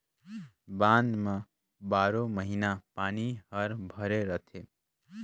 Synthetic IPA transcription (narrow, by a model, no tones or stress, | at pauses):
bãːnd̪mẽ | baːɾoməɦiːnapaːniɦəɾbʱəɾeɾət̪ʰe